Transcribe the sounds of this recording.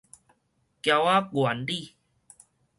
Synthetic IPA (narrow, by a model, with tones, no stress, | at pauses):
kja˧wa˦ɡwa˨˩˦nli˥˧˨